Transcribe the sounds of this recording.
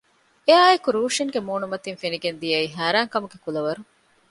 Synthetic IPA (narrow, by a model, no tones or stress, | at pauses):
eaːekuɾuːʃiŋɡemuːnumɐt̪infeniɡend̪ijɐiːɦæːɾæːŋkɐmuɡekulɐʋɐɾu